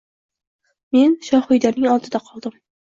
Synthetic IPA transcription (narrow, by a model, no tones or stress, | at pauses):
me̞nʃɒhʊjd̪anɪŋɒlˠt̪ʰɪd̪aqʰɒlˠd̪ɪm